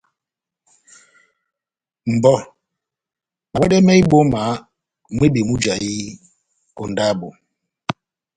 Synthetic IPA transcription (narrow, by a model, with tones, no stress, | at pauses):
m̩˨bɔ˦ | ɓwɛ˦dɛ˦mɛ˦i˦ɓo˦ma˨˦ | mwe˦bi˨mu˦d͡ʒa˨ji˦ | ɔ˨nda˦bo˨